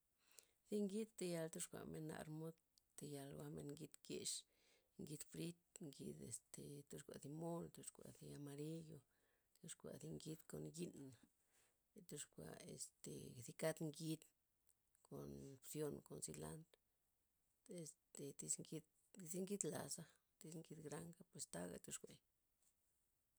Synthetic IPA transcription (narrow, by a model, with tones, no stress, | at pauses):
zi˦ŋɡi˦t̪ːe˧ja˧lt̪o˦ʂkʷa̰˨me˧nːa̰˧ɾmo˦d̪t̪e˧ja˧lwa˦me˧nŋɡi˧t̪ɡe˧ʂ | ŋɡi˧d̪fɾi˦t̪̚ŋɡi˧d̪ḛ˨st̪e˨t̪o˧ʂkʷa˨d̪i˧mo˦nt̪o˧ʂkʷa̰˨ʔði˧a˧ma˧ɾi˦jo˧ | t̪u˧ʂkʷa̰˨zi˧ŋɡi˦d̪ko˨nɡi˦na˨ | t̪u˧ʂkʷa̰˨ḛ˧st̪ḛ˨zi˧ka˦t̪ŋɡi˧t̪ | ko˨nsjo˧nko˨nsi˧la̰˦nt̪ | e˧st̪e˨t̪i˧sŋɡi˧d̪ | zi˦ŋɡi˦d̪la˨sa˦ | t̪i˧˦sŋɡi˧d̪ɡɾa˦ŋɡa˦pwe˧st̪a˦ɡa̰˨t̪u˧ʂkʷe˨